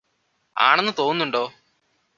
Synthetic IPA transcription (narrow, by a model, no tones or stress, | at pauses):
a̰ːɳenːɨt̪o̞ːunːuɳɖo̞ː